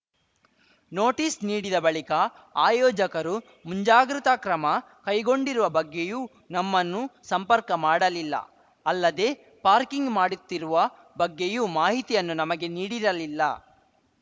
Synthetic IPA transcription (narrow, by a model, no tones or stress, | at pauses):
noːʈiːsniːɽid̪ɐbɐɭikɐ | aːjɔːd͡ʒɐkɐɾu | muɲd͡ʒaːɡɾut̪akɾɐmɐ | kɐjɡo̞ɳɖiɾuʋɐbɐɡːe̞juː | nɐmːɐnːusɐmpɐɾkɐmaːɽɐlilːɐ̰ | ɐlːɐd̪e̞ | paːɾkiŋɡmaːɽut̪ːiɾuʋɐ | bɐɡːejumaːɦit̪ijɐnːunɐmɐɡe̞niːɽiɾɐlilːɐ̰